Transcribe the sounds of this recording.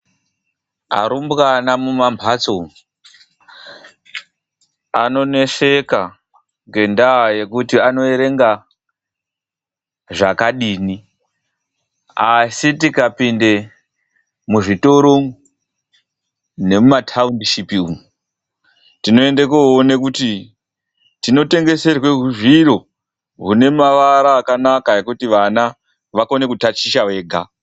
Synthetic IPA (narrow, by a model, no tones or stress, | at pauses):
a̰ɾumbɣanamumambʱat͡so | ano̞ne̞ʂe̞ka | ŋɡe̞ndaje̞kutiano̞eɾe̞ŋɡa | ʐakaɗiːni | asitikapinde̞ | muʐito̞ɾoŋ | ne̞mumatʰaundiʃipiuŋu | tino̞e̞ndekoonekuti | tino̞te̞ŋɡe̞se̞rwe̞ɦuʐiɾo̞ | ɦune̞maʋaɾaːkanakae̞kutiʋana | ʋakone̞kutat͡ʃiʃawe̞ːɡʱa